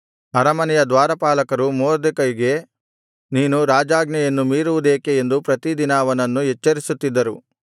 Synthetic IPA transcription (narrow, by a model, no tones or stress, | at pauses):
ɐɾɐmɐnɛjɐd̪ʋaːɾɐpaːlɐkɐɾumoːɾd̪ekɐjiɡe̞ | niːnuɾaːd͡ʒaːɡnɛjɐnːumiːɾuʋud̪eːkeːnd̪upɾɐt̪id̪inaːʋɐnɐnːuɦɛt͡ʃːɐɾisut̪ːid̪ːɐɾu